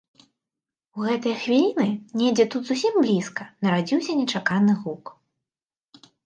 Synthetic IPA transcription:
uɣɛt̪ɐjɐxvʲilʲinɨnʲɛd͡zʲɛt̪ut̪zusʲimblʲiskɐnɐɾad͡zʲiwsʲɐnʲɛt͡ʂakanɨɣuk

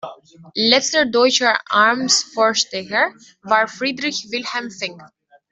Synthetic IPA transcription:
lɛt͡stədɔɪt͡ʃə˞ʔaɹmsfoːʃtɛçə˞ | vaːɹfʁiːdʁɪçvɪlhɛmfɪŋ

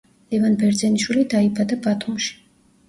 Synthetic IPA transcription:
lɛvanbɛɾd̪zɛniʃwilid̪aibad̪abat̪ʰumʃi̥

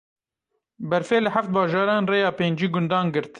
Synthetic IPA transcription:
bɛɾfeːlɨħaft̪̚bɑːʒɑːɾɑːnreːjɑːpeːnd͡ʒiːɡʊnd̪ɑːnɡɨɾt̪

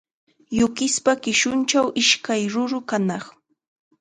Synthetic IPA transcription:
jʊkɪspakɪʃʊnt͡ʃawʔɪʃkajɾʊɾʊkanɑχ

